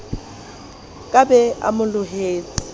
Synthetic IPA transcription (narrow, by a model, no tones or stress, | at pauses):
kʼabɛa̰mʊlʊɦeːt͡sʼɪ